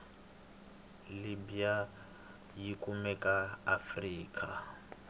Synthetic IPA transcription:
libija | jikʼumɛkʼaafriːkʼa

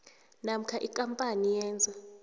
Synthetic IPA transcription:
nam̩kʰaʔikʼampʼanijɛːnd͡zʱa

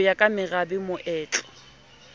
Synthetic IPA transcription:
jakʼamɪrabɪmʊʔɛːt͡ɬʼɔ̥

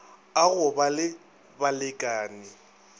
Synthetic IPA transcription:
aɣʊbalɪ | balɪkʼaːnɪ

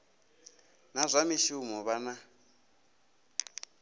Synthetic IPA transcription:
nazʷamiʃumɔβana

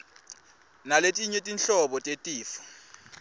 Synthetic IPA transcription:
naletʼiɲetʼinɬɔɓɔtʼetʼiːfɔ̥

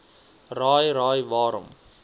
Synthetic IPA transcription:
raːjɾaːjʋaːɾə̰m

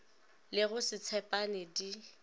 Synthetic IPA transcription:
lɪɣʊsɪt͡sʰɛpʼanɛdi

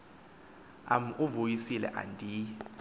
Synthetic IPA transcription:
a̰m̩ʔuvojisilɛ̰ʔa̰ndʱi

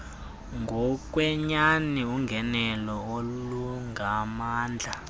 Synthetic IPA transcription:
ŋɡʱɔk̬ʼwɛɲaniuŋɡʱɛnɛlɔoluŋɡʱamaːnd͡ɮʱa

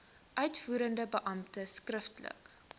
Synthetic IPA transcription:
ʔœɥtfuːɾəndəbəʔɐmtəskrəftlə̰k

